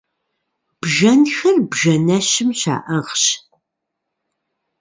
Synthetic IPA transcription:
b̥ʒɐnxɐrbʒɐnɐʃɪmɕa̰ːʔɐʁɕ

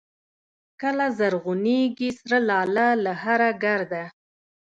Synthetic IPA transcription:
kəlazaɾɣʊniɡisɾalɑlalaɦaɾaɡaɾd̪a

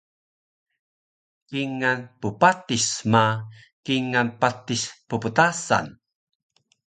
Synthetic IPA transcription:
kiŋanpupatisma | kiŋanpat̪ispupət̪asa̰n

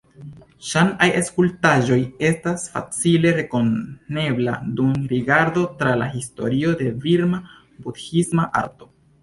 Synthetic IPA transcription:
ʃanajaskultaʒo̞je̞stasfa̰t͡sile̞ɾe̞ko̞nne̞bla̰dumɾiɡaɾdo̞tɾala̰histo̞̰ɾio̞de̞viɾma | budhismaʔa̰ɾto̞

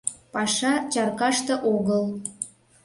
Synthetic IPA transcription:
pɑʃɑt͡ɕɑrkɑʃt̪ɤ̆ʔoɣəl

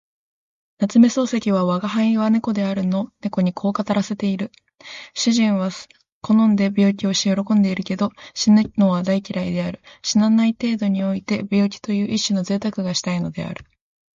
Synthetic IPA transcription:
nat͡sɨme̞so̞ːse̞kʲiβ̞aβaɡaɦaĩβane̞ko̞d̪e̞aɾɯ̟no̞ne̞ko̞ɲ̟ikʰo̞ːkat̪aɾase̞t̪e̞iɾɯ̟ | ɕɨʑĩɰ̃βa | ko̞nõ̞nd̪e̞bʲo̞ːk̬ʲio̞ɕijo̞ɾo̞kõ̞nd̪e̞iɾɯ̟ke̞d̪o̞ɕinno̞βad̪aikʲiɾaid̪e̞aɾɯ̟ɕinanait̪e̞ːd̪o̞ɲ̟io̞it̪e̞bʲo̞ːkʲi̥t̪o̞jɯ̟ːʔiɕːino̞ze̞ːt̪akɯ̟ɡaɕi̥t̪aino̞d̪e̞̰a̰ɾɯ̟̥

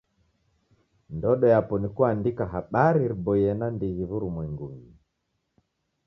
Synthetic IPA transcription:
ndɔɗɔjapɔnikuandikaɦaɓaɾiɾibɔjɛnandiɣivuɾumwɛŋɡuŋɡi

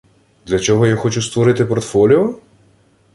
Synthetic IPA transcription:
d̪lʲɐt͡ʃɔɦɔjaxɔt͡ʃust̪ʋɔɾɪt̪ɪpɔɾt̪fɔlʲiɔ

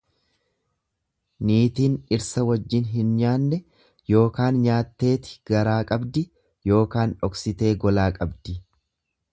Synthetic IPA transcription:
niːt̪iːnɪɾsɐwɐd͡ʒːɪnɦɪnɲaːnːɛ | jo̞ːkaːnɲaːt̪ːe̞ːt̪ɪ̥ɡ̥ɐɾaːkʼɐbd̪ɪ | jo̞ːkaːnᶑɔksɪt̪e̞ːɡɔlaːkʼɐbd̪ɪ

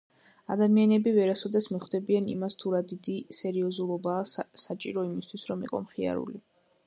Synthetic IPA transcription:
ad̪amianɛbivɛɾasɔd̪ɛsmiχd̪ɛbianḭmast̪ʰuɾad̪id̪isɛɾiɔzulˠɔbaːsat͡ʃʼiɾɔimist̪ʰwisɾɔmiqʼɔ̰mχia̰ɾṵli

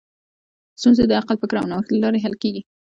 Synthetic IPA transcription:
st̪unzed̪əaqalpəkɾɑ̰wnawəxt̪lalɑɾeɦalkeɡi

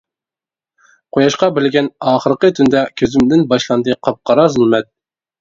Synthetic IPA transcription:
qʰojɑʃqɑbɪlɡʲɛnɑːχəɾəqət̪ʰynd̪ɛkʲʰøzymd̪ɪnbɑʃlˠɑnd̪ɨqʰɑp̚qʰɑɾɑzulˠmɛt̪̚

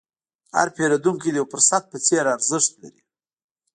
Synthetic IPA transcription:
ha̰ɾpeɾad̪uŋkid̪əjawpəɾsat̪̚pət͡seɾaɾzəʂt̪la̰ɾi

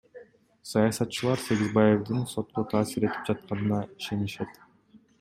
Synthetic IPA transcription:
sɑjɑsɑt̪t͡ʃɯlˠɑɾse̞ɡʲizbaje̞vd̪ɯnso̞t̪̚qot̪ʰɑːsiɾe̞t̪i̥p̚d͡ʒɑt̪̚qɑnɯnɑiʃe̞niʃe̞t̪

